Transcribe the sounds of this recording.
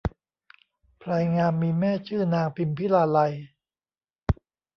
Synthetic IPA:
pʰɾa˧jŋaː˧nmiː˧mɛː˥˩t͡ɕʰɯː˥˩naː˧ŋpʰi˧npʰi˦˥laː˧la˧j

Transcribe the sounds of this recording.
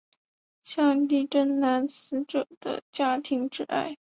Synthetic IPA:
ɕjɑ˥˧ŋli˥˩ʈ͡ʂə˥nna˧˥nsɹ̩˧˥ʈ͡ʂɤ˨˩d̪̥ə̰˦t͡ɕja˥t̪ʰi˧˥ŋʈ͡ʂɻ̩˥˩a̰˥˩ɪ

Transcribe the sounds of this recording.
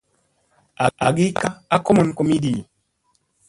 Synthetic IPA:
a˨a˨ɡi˦ka˦a˦ko˦mo˨nko˨mi˦di˨

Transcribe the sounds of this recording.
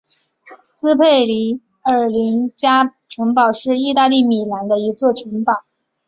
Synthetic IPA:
sɹ̩˥pʰe˥˩ɪli˧˥ | ə˞˨˩li˧˥ŋt͡ɕja˥ʈ͡ʂʰɤ˧˥ŋpɑ˨˩ʊʂɻ̩˥˧i˥˧t̪a˥˧li˥˩mi˨˩la˧˥nd̪ə˧i˧˥t͡swɔ˥˩ʈ͡ʂʰə˧˥ŋpɑ˨˩˦

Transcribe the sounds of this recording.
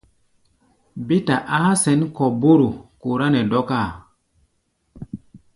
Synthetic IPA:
bi˦ta˨ʔa˦sɛ˨˦nkɔ˨bo˦ɾu˨ku˨ɾa˦nɛ˨dɔ˦ka˦˨

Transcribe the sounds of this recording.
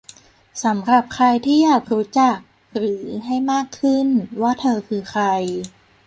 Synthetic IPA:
sa˩˦mɾa˨˩p̚kʰɾa˧jt̪ʰiː˥˩jaː˨˩k̚ɾuː˦˥t͡ɕa˨˩k̚ | ɾɯː˩˦ɦa˥˩jmaː˥˩kʰːɯ˥˩nwaː˥˩t̪ʰɤː˧kʰɯː˧xʰɾa˧j

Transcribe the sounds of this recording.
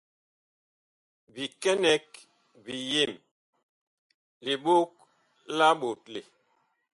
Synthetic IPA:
bi˨kɛ˦nɛ˦k̚ | bi˨je˦˨m | li˨ɓo˦k̚ | la˦ɓo˨t̚le˨

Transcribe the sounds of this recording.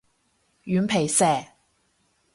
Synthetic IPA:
jyː˨˥npʰe˨˩jsɛː˨˩

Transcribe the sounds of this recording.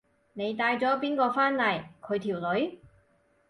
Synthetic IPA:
ne˨˧jt̪aː˧jt͡sɔː˨˥p̬iː˥nkɔː˧faː˥nlɐ˨˩jkʰɵ˨˧ɥt̪ʰi˨˩wlɵ˨˧˥ɥ

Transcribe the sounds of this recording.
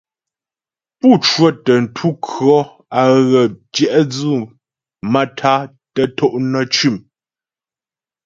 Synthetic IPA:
pu˦˨t͡ʃwə˦˨tə˨n̩˨tʰu˦kʰɰɔ˦ | a˨ɣə˨t͡ʃjɛ˨ʔd͡zu˦˨ | ma˦tʰa˦ | tə˦tʰo˦ʔnə˦˨t͡ʃʉ˦˨m

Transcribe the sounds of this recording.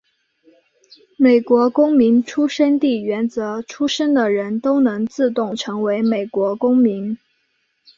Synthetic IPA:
me˨˩ɪkwɔ˧˥kʊ˥ŋmi˧˥ŋʈ͡ʂʰu˥ʂə˥nt̪i˥˩ɥɛ˧˥nt͡sɤ˧˥ʈ͡ʂʰu˥ʂə˥nd̪ə˨ɻə˧˥nt̪o˥ʊnɤ˧˥ŋt͡sɹ̩˥˧t̪ʊ˥˩ŋʈ͡ʂʰɤ˧˥ŋwe˧˥ɪme˨˩ɪkwɔ˧˥kʊ˥ŋmi˧˥n

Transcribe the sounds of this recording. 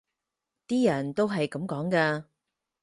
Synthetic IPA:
t̪iː˥jɐ˨˩nt̪o˥wɦɐ˨jkɐ˨˥mkɔː˨˥ŋkɐː˧

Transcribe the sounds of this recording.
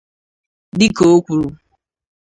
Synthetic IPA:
dɪ˦ko˨o˦kʷu˨ɾu˨

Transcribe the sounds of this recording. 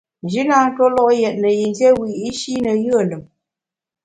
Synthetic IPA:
n˨d͡ʒi˦na˦ŋ̩˦tɔ˦lɔ˦ʔjɛ˨t̚nə˨ji˨n˦dje˦wi˨i˦ʃi˦nə˨jɯ˦ə˨lə˨m

